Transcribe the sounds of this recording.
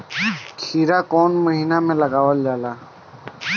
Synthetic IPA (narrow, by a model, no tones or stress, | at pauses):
kʰiːɾaːkoːnməɦiːnaːmẽləɡaːwəld͡ʒaːlaː